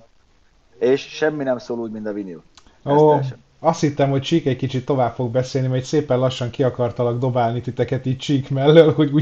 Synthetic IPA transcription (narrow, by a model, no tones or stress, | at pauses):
eːʃʃɛmːinɛmsoːluːɟmint̪ɒviniṵ | oː | ɒst̪hit̪ːɛmhoc̚t͡ʃiːkɛckit͡ʃit̪ːo̞vaːpfo̞ɡ̚bɛseːlnimɛc̪seːpɛnlɒʃːɒŋkiɒkɒrt̪ɒlɒɡd̪o̞baːlnit̪it̪ɛkɛt̪iːc̚t͡ʃiːkmɛlːølho̞ɟuː